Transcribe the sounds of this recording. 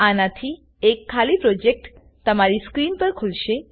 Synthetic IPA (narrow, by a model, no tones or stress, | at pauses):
anat̪ʰi | ekʰːalipɾod͡ʑek̚ʈ | t̪əmaɾiskɾinpəɾkʰolʃe